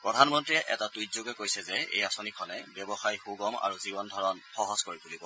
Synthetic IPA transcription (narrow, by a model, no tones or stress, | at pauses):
pɹɔdʱanmɔntɹiɛʔɛtatujtzoɡɛkojsɛzɛḛjasonikʰɔnɛbɔbɔxajxuɡɔma̰ɹuzibɔndʱɔɹɔnxɔɦɔzkoɹipulibɔ